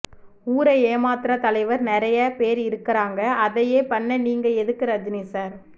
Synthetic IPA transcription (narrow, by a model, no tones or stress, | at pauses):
uːɾɐjeːmaːt̪ɾɐt̪ɐlɐɪʋɐɾnɪɾɐjɐpeːɾɪɾɯkːɪɾaːŋɡɐʔɐðɐjeːpɐɳːɐniːŋɡɐɛðɯkːɪɾɐd͡ʒɪnisaːɾ